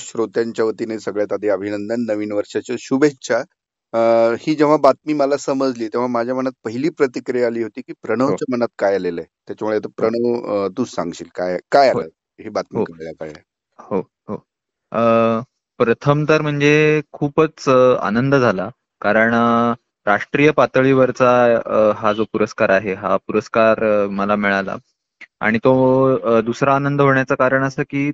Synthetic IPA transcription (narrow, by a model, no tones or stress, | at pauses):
ɕɾot̪jaɲt͡ɕjaʋət̪inesəɡɭjat̪ad̪ʱiəbʱinənd̪ənːəʋiːnʋəɾʂat͡ɕaɕubet͡ɕa | hiːd͡ʑeʋ̤abat̪̚miːməlasəməd͡zliːt̪eʋ̤amad͡ʑʱjamənat̪̚pəɦiliːpɾət̪ikɾiaaliːɦot̪iːkiːpɾəɽ̃əʋt͡ɕjamənat̪̚kajalelət̪jat͡ɕamuɭeat̪apɾəɽ̃əʋt̪uːt͡ssãŋɡɕiːlkajkajaɦlə̰ː | ɦiːbat̪̚mikəɭjakə̰ɾɭja̰ | ho | ɦo | ə | pɾət̪ʰəmt̪əɾm̤əɳd͡zekʰuːpət͡sa̰nənd̪əd͡zʱala | kaɾəɳ | ɾaʂʈɾiːjəpat̪əɭiːʋəɾt͡saɦad͡zopuɾəskaɾaɦeɦa̰puɾəskaɾməlamiɭala̰ | a̰ɽ̃it̪od̪usɾaːnənd̪əɦoɳjat͡sakaɾəɳəsəːkiː